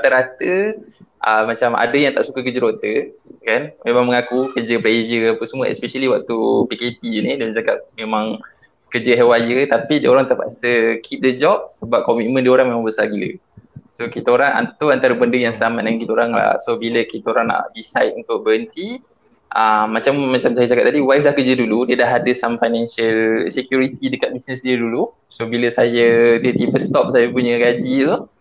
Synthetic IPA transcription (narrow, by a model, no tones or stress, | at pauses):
at̪əɾat̪əʔəmat͡ʃamʔa̰dəjaŋt̪aʔsukəkəd͡ʒəɾot̪əkanmemaŋməŋakukəd͡ʒəplezəapəsəmuəɛ̰speʃəliwak̚t̪upikepinidand͡ʒakap̚memãŋ | kəd͡ʒəɦɛwajət̪apidioɾaŋt̪əpa̰ʔsəkʰip̚dəd͡ʒɔp̚səbap̚kɔmit̪̚mə̃ndioɾaŋmemaŋbəsaɡilə̰ | sokit̪aoɾaŋa̰nt̪ʊant̪aɾəbəndəjaŋsəlamat̪̚daŋakit̪əoɾaŋla̰hsobiləkit̪aoɾaŋna̰ʔdisa̰jt̪̚unt̪ʊk̚bəɦənt̪i | ʔəmmːat͡ʃamːat͡ʃamsajət͡ʃakat̚t̪adiwajflahkəd͡ʒəduludiədaɦadəsamfajnɛnsəlsekjuɾit̪idəkat̪̚bisnəsdiədulu | sobiləsajət̪iət̪ipəst̪ɔp̚sajapuɲəɡad͡ʒit̪u